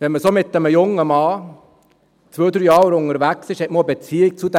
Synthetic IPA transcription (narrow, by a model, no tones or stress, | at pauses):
ʋɛnməsomɪt̪ːəməjʊŋːəmɑː | t͡sʋøːd̪ɾyjɑːɾʊŋəɾʋæksɪʃɛt̚mobət͡siːɪk̚t͡sud̪æ